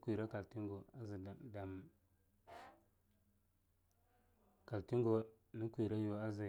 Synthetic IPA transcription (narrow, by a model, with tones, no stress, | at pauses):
kʷi˨ɾa˦ka˨lti˦ŋɡo˨a˦zi˨da˨m | ka˨lti˦ŋɡo˨ | ni˦kʷi˨ɾa˦jo˨a˦za˨